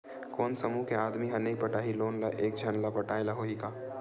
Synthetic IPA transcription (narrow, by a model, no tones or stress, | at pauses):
koːnsɐmukeaːd̪miɦɐnekpɐʈaːɦiloːnlaʔeːk̚d͡ʒʱɐnlapɐʈaːelɐɦoɦikaː